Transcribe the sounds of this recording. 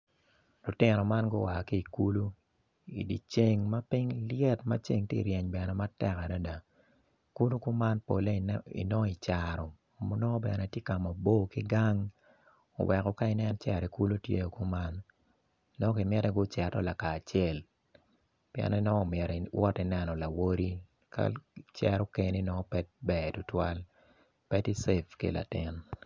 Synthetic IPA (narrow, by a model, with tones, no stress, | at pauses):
lʊ˨tɪ˦nɔ˨ma˦nɡo˦wa˨hki˦˨ku˦lu˦ | ḭ˨di˨t͡ʃe˦ŋma˦pi˦ŋljɛ˦tma̰˦t͡ʃe˦ŋtjḛ˦i˨ɾjɛ˨ɲbɛ˨nɛ˨ma˦tɛ˦ka˨da˦da˨ | ku˦lu˦ku˦ma˦npo̰˨le˦ḭ˨nɔ˦i˨t͡ʃaɾɔ˨ | mo˦nɔ˦bɛ̰˨nɛ˨tje˦ka˨mɔ˨bo˦ki˦ɡa˦ŋ | o̰˨wʔɛ˨kɔ˨ka˦ɪ˦nɛ˦nt͡ʃɛ˨ɾi˨ku˦lo˦tjḛ˦jo˨ku˦ma˦n | nɔ˦ki˨mɪ˦ɾɛ˦ɡʊ˦t͡ʃɛ˨tɔ˦la˨kaː˨t͡ʃjɛ˨l | pjɛ̰˨nɛ˦nɔ˦ɔ˦˨mɛ˨ɾwɔ˦ti˨nɛ˦nɔ˨la˨wo˦ɾi˦ | ka̰˦t͡ʃɛ˨ɾɔ˦ke˨ni˦nɔ˦ɔ˦pɛ˦t̚bɛ˨tʊ˦twa˦l | pɛ˦ti˦se˦fkḛ˦˨la̰˨tɪ˦n